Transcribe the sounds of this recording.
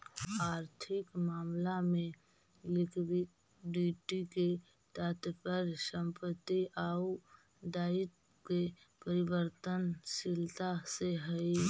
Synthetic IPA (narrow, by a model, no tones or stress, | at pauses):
aːɾt̪ʰɪkmaːmlamẽ | lɪkʰɾi | ɖiːʈike | t̪at̪pəɾsəmpət̪ːiʔau | d̪aːɪt̪ | ke | pəɾɪbəɾt̪ənsɪlt̪aseɦəi